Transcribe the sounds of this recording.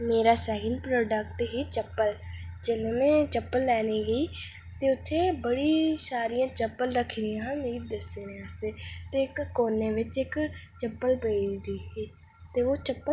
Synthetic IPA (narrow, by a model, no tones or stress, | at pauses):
meːɾaːsɛːɡɪnpɾoːɖəkʈɦiːt͡ʃəpːəld͡ʒeːlẽːmɛ̃ːt͡ʃəpːəlːɛːneːɡəiː | t̪eːʊt̪ʰːeːbəɽiːsaːɾijãːt͡ʃəpːəlɾəkʰːɾɪãmeːɾiːd̪əseːneast̪eːt̪eːɪkːoːneːʋɪt͡ʃɪkt͡ʃəpːəlpəid̪iːɦiː | t̪eːoːt͡ʃəpːə